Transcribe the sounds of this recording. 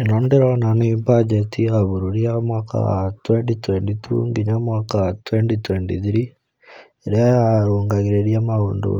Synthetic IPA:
enɔndeɾananoipad͡ʒetiaβuɾuɾiamwaka̰twenʈitwentit̪ʰṵŋɡiɲamwakat̪wenʈit̪wentḭðiɾi | eɾeaɾoːŋɡaɣiɾeɾijamaoːndṵ

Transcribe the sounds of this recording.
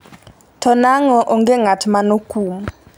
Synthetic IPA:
tʰɔnaŋɔʔɔŋɡɛŋatʰimanokʰʼuːma

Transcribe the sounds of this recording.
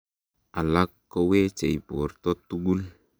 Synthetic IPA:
alakːowet͡ʃeipurt̪ɔt̪uɡul

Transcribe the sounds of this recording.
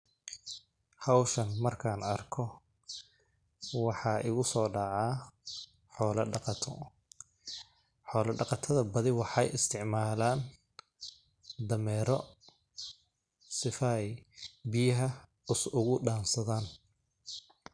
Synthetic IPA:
hɐwʃɐnmɐrkʰaːnɐrkʰɔ | wɑħɑːʔɪɣʊsɔːɖɑʕɑː | ħɔːlɐɖɑqɑt̪ʰɔ | ħɔːlɐɖɑqɑt̪ʰɐðɐbɐðɪwɑħɑ̰jɪst̪ʰɪʕmaːlaːn | d̪ɐmɛːɾɔ | sɪfɐɛjbɪjɐɦɐ | ʊsʊɣʊɖaːnsɐðaːn

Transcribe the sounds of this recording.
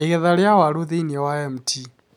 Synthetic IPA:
ɛɣɛðaɺjawaɺuðiniɛwaɛm̩tʰi

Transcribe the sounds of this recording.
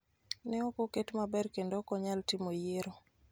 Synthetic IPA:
nɛokoketmabɛrkendokɔɲaltimojeɾo

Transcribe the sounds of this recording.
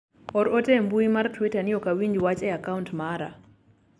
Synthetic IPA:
ɔɾɔtɛmbuimartwitanɪɔkawiɲd͡ʒwat͡ʃɛakauntmaɾa̰

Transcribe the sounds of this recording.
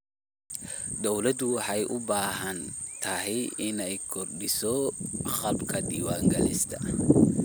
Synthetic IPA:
d̪ɔwlɐd̪ʊwħɑjʔʊbaːɦɐnt̪ʰɐɦɛjɪnɛjkʰɔrɖɪsɔχɐlbkʰɐd̪iːwaːŋɡɐlɪ̰st̪ʰɐ

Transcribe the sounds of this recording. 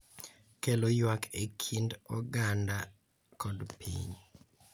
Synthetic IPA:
kelojwakʰekʰindɔɡanda | kɔdpḭɲ

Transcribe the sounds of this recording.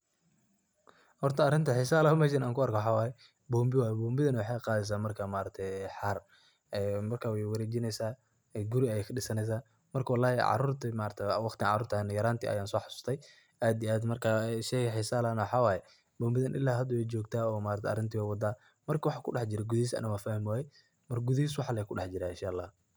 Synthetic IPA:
hɔrt̪ʰɐːɾɪnt̪ʰɐħɪsaːlɐhʊmɛːʃ̬ɐnaːŋkʰʊɐɾkʰɐwħɑːwaːjɛ | bɔːmbɪwaːjɛbɔːmbɪðɐnwɑħɑqɑːðɛs̬aːmɐrkʰamaːɾɐt̪ʰɛħɑr | ɛːmɐrkʰaːwɛjwɐɾɛːt͡ʃɪnɛjsaː | ɛɡʊɾɪɐjɛːkʰɐɗɪsɐnɛs̬aː | mɐrkʰɐwɑlːaːhɛ̰ʕɑ̰ɾuːrt̪ʰimaːɾɐt̪ʰɛwɑχt̪ʰɪʕɑ̰ɾuːrt̪ʰanjɐɾaːnt̪ʰḭɐ̰jaːnsɔːħɑsu̥st̪ʰɛj | ʔaːd̪iaːd̪mɐrkʰaːʃɛkħɪsaːlanwɑħɑːwaːjɛ | bɔːmbɪðɐnʔɪ̰lːaːɦɐd̪ɐwɛd͡ʒɔːɡt̪ʰaːɔːmaːɾɐt̪ʰɛɐ̰ɾɪnt̪ʰɪwɛwɑd̪aː | mɐrkʰɐwɑħaːkʰʊɖɑħd͡ʒɪɾɛɡʊðiːs̬ɐ̰nɐwaːfaːhɪmwaːjɛ | mɐrɡʊðɪhiːs̬wɑħalɛkʰʊɗɑħd͡ʒɪɾaɪ̰̃nʃaːʔlːaːh

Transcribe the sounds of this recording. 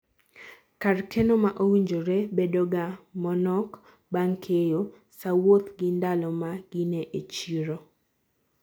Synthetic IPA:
karkʰenomaʔowiɲd͡ʒoɾebedoɡamɔnɔk | baŋkʰejo | sawot̪ɡɪndalɔmaɡ̥ineʔet͡ʃiɾo

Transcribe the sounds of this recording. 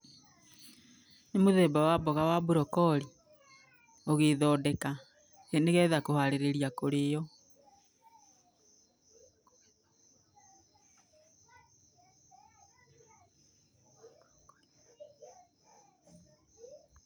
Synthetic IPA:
nemoðɛːbawabɔɣawabuɾɔkɔɾi | oɣeðɔdɛka | eneɣɛːðakohaɾeɾeɾjakoɾejɔ

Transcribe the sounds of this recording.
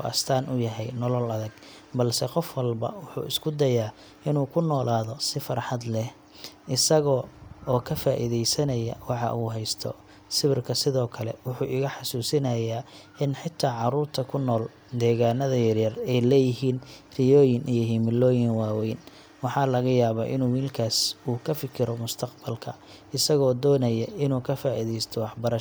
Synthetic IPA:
ʔɐ̰st̪ʰaːnʊjɐɦɛjnɔlɔlɐðɐɡ | bɐlsɛqɔfwɐlbɐ̰wʊħṵːɪskʰʊd̪ɐjaː | ɪnuːkʰʊnɔːlaːðɔsɪfɐɾħɑd̪lɛh | ʔɪsɐɣɔɔːkʰɐfaːʔɪ̰ðɛjsɐnɐjɐ̰wɑħɑ̰ʔuːɦɛjst̪ʰɔ̰ | sɪβɪrkʰɐsɪðɔːkʰɐlɛ̰wʊħuːʔɪɣɐħɑsuːsɪnɐjaː | ɪnħɪt̪ʰaːʕɑɾuːrt̪ʰɐkʰʊnːɔːl | d̪ɛːɣaːnɐðɐjɐɾjɐrɛjlɛːjɪɦiːnrɪjɔːjɪnʔijɔɦiːmɪlɔːjɪnwaːwɛjn | wɑħɑːlɐɣɐjaːβa̰ːʔɪnuːwiːlkʰaːsuːkʰɐfɪkʰɪɾɔmʊst̪ʰɐqbɐlkʰɐ | ɪsɐɣɔːd̪ɔːnɐjɐɪnuːkʰɐfaːʔɪðɛjst̪ʰɔwɑħbɐɾɐʃ

